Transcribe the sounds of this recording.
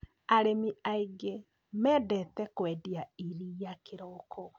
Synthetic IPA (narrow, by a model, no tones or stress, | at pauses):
aɾemiaiɡe | mɛːdɛtɛkwɛːdiaiɾijakeɾɔkʰɔ